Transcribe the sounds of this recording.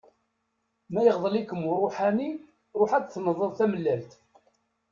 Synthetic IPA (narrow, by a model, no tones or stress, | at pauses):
mæjəʁðˤəlikːəmʊrˤoħani | ɾˤoħæt͡sθnəðˤəðˤθæməlːælt̪